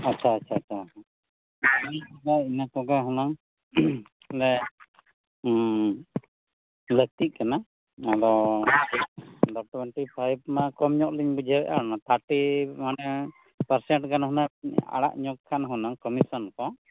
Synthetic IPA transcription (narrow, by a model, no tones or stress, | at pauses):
atːt͡ʃʰaːt͡ʃʰaːt͡ʃʰaa | nakɔɡainakɔɡaɦɔnaŋ | ɾɛ | lət̪iʔ̚ˀkana | adɔ | ɖɔʈwɛɳʈipʰajb̚makɔmɲɔʔliɲbud͡ʒʱɛbɛʔa̰ɾanat̪ʰaɾʈimanɛ | pəɾsɛɳʈɡanɦunaa̰ɽa̰ʔɲɔk̚kʰanɦunaŋkɔmisɔnkɔ